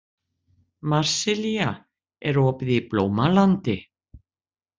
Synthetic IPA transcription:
maɾ̥sɪlja | ɛɾɔpðɪplowmalant̪ɪ

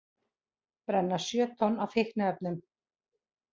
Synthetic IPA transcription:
pɾɛnːḁsjœːt̪ʰɔnawfɪhknaɛp̚nʏm

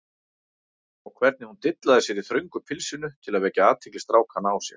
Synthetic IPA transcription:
ɔɣkʰvɛɾt̪nɪhunt̪ɪt̪laðɪsjɛɾiθɾœɥŋkʏpʰɪlsɪnʏt̪ʰɪlaðvɛːcaaːt̪ʰecɪst̪ɾaːwkʰanawsjɛ̰̥

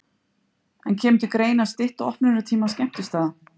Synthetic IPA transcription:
ɛncʰɛːmt̪ʏkɾeːjnast̪ɪht̪aɔhpnɪɾʏt̪ʰiːmascɛm̥t̪ʏst̪aːða

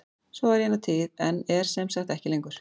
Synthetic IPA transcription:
sɔɛɾjɛnːat̪ʰɪːðɛnɛɾ̥sɛmsaxt̪ɛhcɪlejŋkʏɾ̥

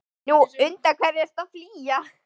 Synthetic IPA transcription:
nuʏnt̪akʰvɛɾɪɛst̪afliːja

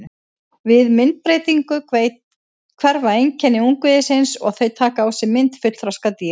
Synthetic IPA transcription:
vɪðmɪnt̪̚pɾeːjt̪iŋkʏvejt̪ | kʰvɛɾvaejŋcʰɛnːɪuŋkvɪðɪsɪnsɔ̰ɣθejt̪ʰaːkaaːwsɪmɪnt̪fʏt̪l̥θɾaskat̪i

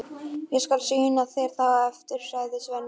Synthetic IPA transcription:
jɛɣskalsyːnaθɛjɾ̥θaɣaɛft̪ʏɾ̥saɣðɪsvɛn

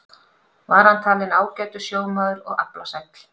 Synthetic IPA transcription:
vaɾ̥hant̪ʰaːlɪnaːwcaɥt̪ʏsjoːwmaːðʏɾɔ̰ɣaplasɛjkt̪l̥

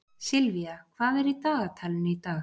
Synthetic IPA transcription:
sɪlviakʰvaːðɛɾit̪aːɣat̪ʰalɪnɪit̪aːx

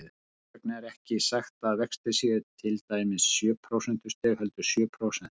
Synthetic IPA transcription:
knɛɾɛhcɪsaxt̪aðvɛkst̪ɪsiðʏt̪ʰɪlt̪aːjmɪsːjœːpʰɾowsɛn̥t̪ʏ̥st̪ɛhœlt̪ʏ̥sjœːpʰɾowsɛn̥t̪

